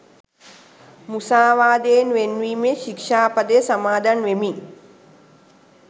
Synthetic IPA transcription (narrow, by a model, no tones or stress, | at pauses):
musaːʋaːd̪eːnʋenʋiːmeʃikʃaːpɐd̪ejsamaːd̪anʋemi